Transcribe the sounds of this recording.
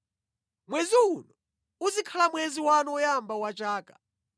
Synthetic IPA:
mwɛziunɔ | uzikʰalamwɛziwanɔɔjambawat͡ʃaːkḁ

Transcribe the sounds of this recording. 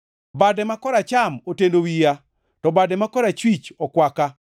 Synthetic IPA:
badɛmakɔɾat͡ʃamotendowija | tɔbadɛmakɔɾat͡ʃwit͡ʃɔkwaka

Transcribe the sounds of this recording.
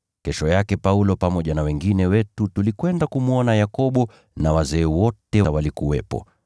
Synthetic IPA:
kɛʃɔjakɛpaulɔpamɔʄanawɛŋɡinɛwɛtutulikwɛndakumuɔnajakɔɓɔ | nawazɛːwɔtɛwalikuwɛpɔ̰

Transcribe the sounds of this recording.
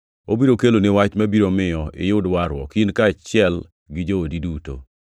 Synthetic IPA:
obiɾokelonɪwat͡ʃmabiɾomɪjɔʔɪ̰jʊdwaɾwɔ̰kinkat͡ʃɪɛl | ɡɪd͡ʒoodiduto̰

